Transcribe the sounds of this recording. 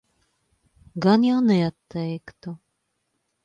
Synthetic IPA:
ɡanjawneat̪ːɛjkt̪u

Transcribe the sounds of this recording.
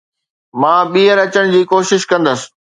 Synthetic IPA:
mãːɓiːəɾɐt͡ɕəɽ̃d͡ʑiːkoːʃɪʃkɐ̃nd̪əsɪ̥̆

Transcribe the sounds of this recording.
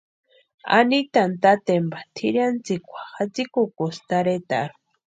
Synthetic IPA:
a̰nit̪ant̪at̪embat̪ʰiɾjant͡sikʷḁxat͡sikukost̪aɾet̪a̰ɾu̥

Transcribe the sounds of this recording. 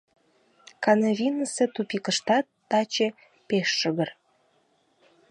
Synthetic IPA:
kɑnəβʲinəset̪upikəʃt̪ɑt̪ːɑt͡ɕe | peʃːəɣər

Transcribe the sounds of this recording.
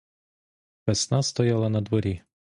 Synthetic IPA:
pɛsnast̪ɔjɑlˠɐnɐd̪ʋɔɾʲi

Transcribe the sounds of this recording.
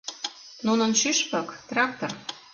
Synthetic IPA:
nunə̆nʃyʃpɤ̆kt̪rɑk̚t̪or

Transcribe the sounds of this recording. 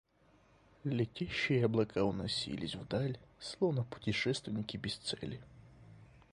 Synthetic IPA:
lʲɪtʲɛɕːijɐblˠɐkʰawnɐsʲḭlʲḭsʲwd̪alʲslˠɔwnɐpʊ̥tʲiʂɛst̪vʲenʲikʲibʲist̪sɛ̰lʲi

